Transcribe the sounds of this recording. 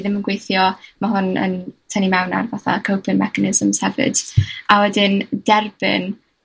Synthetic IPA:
ðɪmənɡwejθjɔmaɦʊnə̰ntʰənimɛwna̰rvaθa̰kʰəwpʰənmɛkanɪzəmz̥hɛvɨ̰d̥awɛdɪnd̥ɛrbɪ̰n

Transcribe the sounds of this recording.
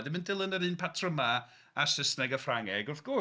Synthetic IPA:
dɪməndɪlˠənəɾɨːnpʰatʰrəma | asəsnɛɡəfraŋɛɡʊθɡ̥ʊ

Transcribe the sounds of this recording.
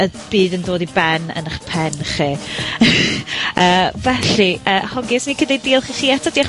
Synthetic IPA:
əb̥iːðəndoːdibɛnə̰naχpʰɛnχi | əːvɛɬiʔəːhɔɡɪsnikʰədɛdiːlˠχiχiːatʰɔdiːaχ

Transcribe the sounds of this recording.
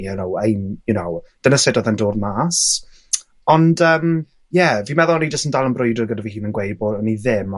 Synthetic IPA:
ɛnowejnjunowd̥ənəsɛdɔðɛndoːdmaːs | ɔndəːm | jɛviːmɛðɔlˠnid͡ʒəstəndalˠənbrʊɨdərɡədəvihiːnənɡwejbodɔniðɪm

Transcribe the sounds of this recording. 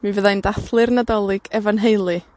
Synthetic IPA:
minvəðajndaθlˠɨrnadɔlˠɪɡ̥ɛvanɦejlˠɨ

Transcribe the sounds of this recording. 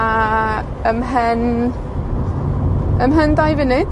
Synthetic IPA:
a | əmɦən | əmɦəndajvɪnɪd̥

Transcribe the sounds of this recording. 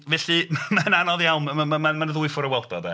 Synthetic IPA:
vɛːɬɨmmananɔðjawnamamanmanəðʊɨfʊɾəwɛlˠdɔdɛ

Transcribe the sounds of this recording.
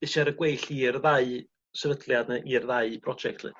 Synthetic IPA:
ɪʃaɾəɡwejɬirðaɨ | səɾədlˠjadnɨʔirðaɨbʰrɔd͡ʒɛk̚tʰlɨ̰

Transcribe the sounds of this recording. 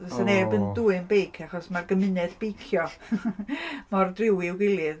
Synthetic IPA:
sənɛbənduːɨnbejkʰaχɔsmarɡəmɨnɛdb̥ejkʰjɔ | mɔrdrɪwɪɪwɡɪlˠɨð

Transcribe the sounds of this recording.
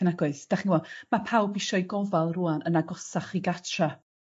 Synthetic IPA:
ənaɡwʊɨθd̥aχniwɔmapʰawbɪʃɔjɡɔvalˠruanənaɡɔsaχiɡatʰra

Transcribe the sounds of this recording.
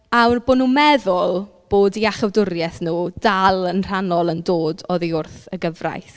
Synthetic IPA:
awrboːnuːmɛðʊlˠ | b̥oːdiaχəvdʊrjɛθnuːd̥alˠənr̥anɔlˠəndoːdɔðiʊrθəɡəvra̰jθ

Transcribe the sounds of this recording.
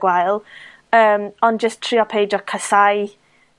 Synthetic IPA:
waɨlˠ | əːmɔnd͡ʒəstʰr̥iːɔpʰejd͡ʒɔkʰəsaj

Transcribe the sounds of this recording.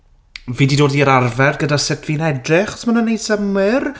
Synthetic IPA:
viːdidoːdiəɾarvɛrɡədasɪtʰvinɛdrɪχɔ̥smanənejsəmɪr

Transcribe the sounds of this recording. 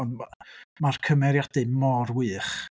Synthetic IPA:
ɔnmarkʰəmɛɾjad̥ɨmɔrwɨːχ

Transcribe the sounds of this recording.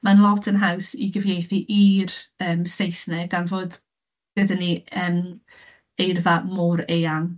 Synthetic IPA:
manlˠɔtʰənɦawsḭɡəvnejθiʔirəːmsejsnɛɡanvoːd | ɡ̥ədəniəm | ejrvamɔɾejan

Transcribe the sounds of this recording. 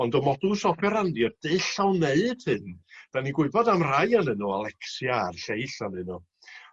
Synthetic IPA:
ɔndɔmɔdusɔpʰɛɾandjɔd̥ɨɬawneɨd̥hɨnd̥aniɡwʊɨbɔdamrajanɨnɔalˠɛksjarɬejɬanɨnɔ

